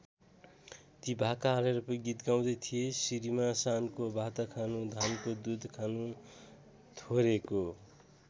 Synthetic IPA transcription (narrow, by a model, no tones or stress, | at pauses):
t̪ibʱakaɦːleɾʌpʌɡit̪ɡaw̃d̪ʌjt̪ʰijesiɾimasankobʱat̪akʰanũd̪ʱankod̪ud̪ʱkʰanũ | t̪ʰoɾeko